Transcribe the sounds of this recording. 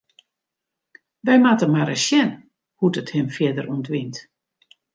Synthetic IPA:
ʋɛjmatəmaɾəsjɛn | hutəthɪmfjɪdəruntʋint

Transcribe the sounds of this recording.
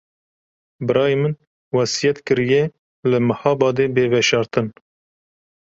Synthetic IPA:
bɨɾɑːjemɨn | wɑsijɛt̪kɨɾije | lɨmɨhɑːbɑːd̪eːbeːvɛʃɑːɾt̪ɨn

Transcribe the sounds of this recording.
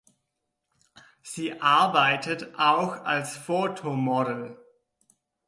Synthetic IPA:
z̥iːʔaɐbaɪtətʔaʊxalsfoːtʰomɔɾl̩

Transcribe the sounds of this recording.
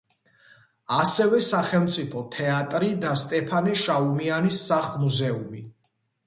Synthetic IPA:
asɛvɛsaχɛlˠmt̪sʼipʰɔt̪ʰɛat̪ʼɾid̪ast̪ʼɛpʰaniʃaumianisːaχmuzɛumi

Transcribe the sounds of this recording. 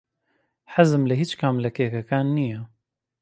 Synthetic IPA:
ħazɨmlɨɦiːt͡ʃkʰaːmlɐkʰeːkɐkaːnːijɛ

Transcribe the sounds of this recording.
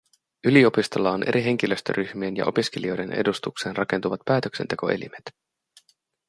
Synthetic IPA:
ylio̞pist̪olːɑonʔe̞̰ɾiɦe̞ŋk̟iløst̪ø̰ɾʔyçmie̞njɑ̰ʔo̞piskelio̞jde̞nʔḛdust̪ukse̞ːnrɑke̞nt̪uʋɑt̪pæːt̪økse̞nt̪e̞ko̞̰ʔelḭmet̪

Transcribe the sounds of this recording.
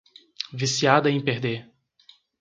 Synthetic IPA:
visiad̪ɐẽj̃peɾd̪e

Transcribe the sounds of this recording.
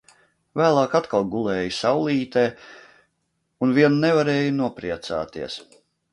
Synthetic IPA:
væːlˠɑːkat̪kalˠɡulˠɛːjusawlˠiːt̪eː | unviɛnnɛvaɾeːjunuɔpɾiɛt̪sa̰ːt̪iɛs

